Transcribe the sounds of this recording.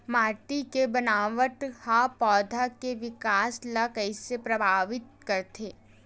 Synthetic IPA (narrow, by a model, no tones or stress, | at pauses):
maːʈikebɐnaːʋəʈhapɔːd̪ʱakeʋɪkaːslakɛɪsepɾɐbʱaːʋɪt̪̚kɐɾt̪ʰeː